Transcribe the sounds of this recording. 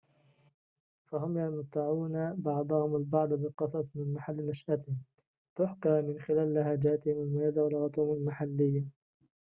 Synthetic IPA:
faɦʊmjamʊt̪ːaʕuːnabɑʕd̪ˤɑhʊmalbɑʕd̪ˤbɪqɨsˤɑsˤmɪnmaħalːnaʃʔat̪ɪhɪ | t̪ʊħkɑːmɪnxɪlaːlːahaːd͡ʒaːt̪ɪhɪmɪlmajaːzawalɣɑt̪ˤuhʊmalmaħalːɪjːa

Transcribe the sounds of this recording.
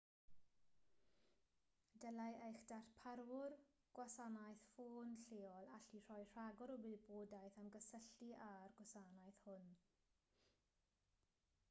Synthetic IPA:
dəlajʔejxd̥arθpʰaɾwʊr | ɡ̥wasanajθfoːnɬeːɔlˠaɬir̥ɔjr̥aɡɔɾɔbɨboːdajθamɡəsəɬiʔarɡwasanajθhʊn

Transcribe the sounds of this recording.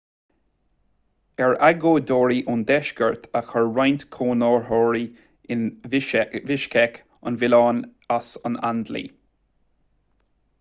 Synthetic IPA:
ɛɹaɡoːd̪ɔːɹiʔʊnd̪ɛʃkəɹt̪ʰaxəɹɹajnt̪kʰoːnɔːɹhɔːɹi | ɪn | vɪʃkʰɛk | ʊ̰nvɪlɑːnasəna̰nd̪lḭ

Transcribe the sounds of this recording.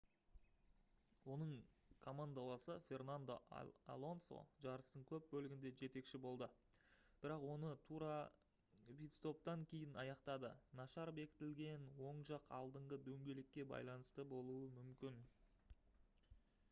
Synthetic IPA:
wo̞nəɴkʰo̞mand̪alˠɑsəfʲe̞rnand̪o̰a̰lˠo̞nso̰ʒɑɾəst̪əɴkʲʰɵp̚bɵlɪɡʲɪnd̪e̞ʒe̞t̪e̞kʃɪbo̞lˠd̪ə | b̥ɪɾɑqwo̞nət̪ʰuɾa | pit̪st̪o̞p̚t̪ɑŋkʲʰe̞jɪnɑjɑqt̪ɑd̪ənɑʃɑɾbe̞kʲɪ̥t̪ɪlɡʲe̞nwo̞ɴʒɑqʰɑ̰lˠd̪əɴʁəd̪ɵŋɡʲe̞lekʲːe̞bɑ̰jlˠɑnəst̪əbo̞lˠuəmʏmkʲɪn

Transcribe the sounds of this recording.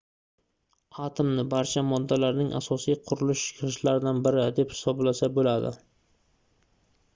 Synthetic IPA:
at̪ʰɪmnɪbaɾt͡ʃʰamɒd̪ːalaɾnɪŋʔa̰sɒsijqʰʊɾʊlɪʃɪ̥kʰʲɾɨʃlaɾɪd̪anbɪɾɪd̪e̞phɪ̥sɒblasabolad̪ɪ̰

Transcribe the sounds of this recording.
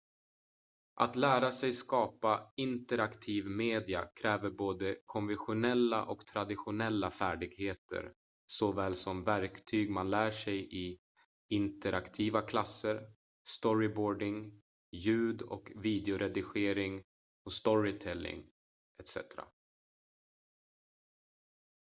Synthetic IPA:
ʔa̰t̪læːɾasɛjskɑːpaɪnt̪əɾakt̪ʰiːvmeːd̪ɪa̰kʰɾɛːvəɾboːd̪əkʰɔnvɛnɧʊnɛlːa̰ʔɔkt̪ʰɾad̪ɪɧʊnɛlːafæːɖɪɡheːt̪ʰə̰ɾ | sɔvɛːlsɔmvæɾkt̪ʰyːɡmanlæːʂɛjʔɪ | ɪnt̪əɾʔakt̪ʰiːvakʰlasːəɾ | st̪ɔɾɪboːɖɪŋ | jʉ̟ːd̪ɔ̰kviːd̪ɛʊɾʔɛd̪ɪɧeːɾɪŋ | ɔst̪ɔɾɪt̪ʰɛlːɪ̰ŋ | ʔɛt̪sɛ̰t̪ɾa̰

